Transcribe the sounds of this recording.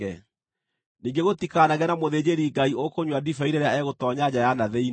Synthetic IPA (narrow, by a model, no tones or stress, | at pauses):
ɛ | niːŋɡeɣotikanaɣɛnamoðeːd͡ʑeɾiɡaiokoɲwadifaiɾeɾeaɛɣotɔːɲad͡ʑajanaðɛi